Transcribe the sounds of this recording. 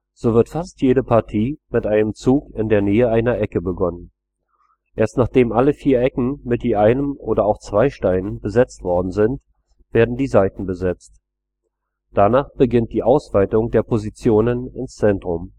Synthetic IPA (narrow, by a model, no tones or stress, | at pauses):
z̥oːvɪɐtfastjeːɾəpʰaɐtʰiːmɪtʔaɪnəmt͡suːkɪndeːɐneːəʔaɪnɐʔɛkəbəɡɔnən | ʔeːɐstnaːχd̥eːmʔaləfiːɐʔɛkŋ̩mɪt̚d̥iːʔaɪnəmʔoːɾɐaʊxt͡sv̥aɪʃtaɪnənbəzɛt͡stv̥ɔɐdn̩zɪnt | v̥eːɐdn̩diːzaɪtn̩bəzɛt͡st | d̥anaːχb̥əɡɪnt̚d̥iːʔaʊsv̥aɪtʊŋdeːɐpʰozit͡sjoːnənɪnst͡sɛntʁ̥ʊm